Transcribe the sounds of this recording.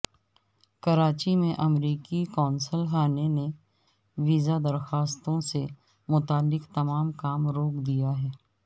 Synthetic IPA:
kɐɾaːt͡ʃimẽʔɐmɾiːkikɔːnsəlɦaːnene | ʋiːzad̪ɐɾxaːst̪õse | mʊt̪aːlːɪkt̪ɐmaːmkaːmɾoːkd̪ijaɦɛː

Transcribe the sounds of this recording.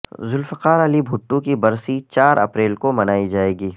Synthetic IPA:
zʊlfəqaːɾɐlibʱʊʈːũkibɐɾsit͡ʃaːɾɐ̰pɾeːlkomɐnaːid͡ʒaːeːɡiː

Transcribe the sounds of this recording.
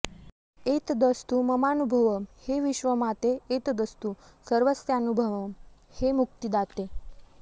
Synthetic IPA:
et̪d̪əst̪uməmanubʱəʋəmheʋiɕʋəmat̪eːt̪d̪əst̪u | səɾʋəsjanubʱəʋəm | hemuk̚t̪id̪at̪e

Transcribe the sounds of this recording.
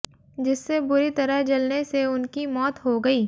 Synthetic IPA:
d͡ʒɪsːebʊɾit̪ɐɾəɦd͡ʒɐlneseʊnkimɔːt̪ɦoɡɐiː

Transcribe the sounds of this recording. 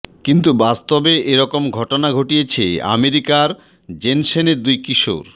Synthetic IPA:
kint̪ubast̪obeʔeɾɔkomɡʱɔʈonaɡʱoʈijet͡ɕʰea̰meɾikaɾ | d͡ʑenʃeneɾd̪ujkiʃo̰ɾ

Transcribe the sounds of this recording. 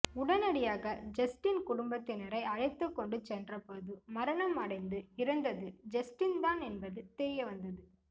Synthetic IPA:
ʊɽɐnɐɽɪjaːɣɐd͡ʒɐsʈɪnkʊɽʊmbɐt̪ːɪnɛɾɐɪɐɻɐɪt̪ːɯkːɔɳɖɯt͡ʃɛndrɐpoːðɯmɐɾɐɳɐmɐɽɐɪnd̪ɯɪɾɯnd̪ɐðɯd͡ʒɐsʈɪnd̪aːnɛnbɐðɯt̪eːjɐʋɐnd̪ɐðɯ

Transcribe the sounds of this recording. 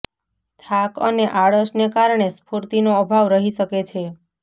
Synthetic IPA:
t̪ʰakə̰neʔaɭəʃnekaɾɳ̃espuɾt̪inoəbʱaʋɾəɦiʃəket͡ʃʰe

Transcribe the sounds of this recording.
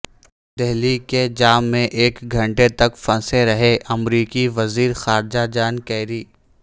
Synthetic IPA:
d̪eɦliked͡ʒaːmːẽʔeːkɡʱɐ̃ɳʈet̪ɐkfɐ̃seɾɐɦeʔɐmɾiːkiʋɐziːɾxaːɾd͡ʒad͡ʒaːnkɛːɾiː

